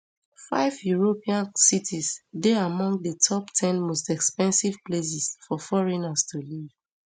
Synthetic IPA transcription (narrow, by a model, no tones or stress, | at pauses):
fa̰ɪvjuɹopʰiãnsitʰisdeamɔ̃ŋɡdətʰɔptʰɛ̃nmostɛkspɛ̃nsiv̥ples̬isfɔfɔɹinastʰuliv